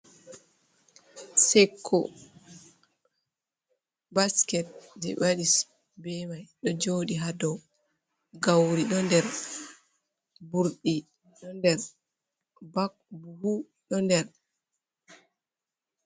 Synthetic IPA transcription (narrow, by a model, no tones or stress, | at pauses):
sɛkʰːɔ̰ | baskɛt̚d͡ʒɛ̰waɗis | bɛmajɗɔd͡ʒoːɗiɦadɔ | ɡawɾiɗɔndɛɾ | buɾɗi | ɗɔndɛɾ | bak̚buhu | ɗɔndɛɾ